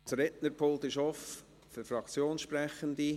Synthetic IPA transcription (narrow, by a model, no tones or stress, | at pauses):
tɾɛtnəɾpʰolˠt̪ɪʃɔf | fʏɾfɾɑkt͡sjoːnʃpɾɛχənd̪i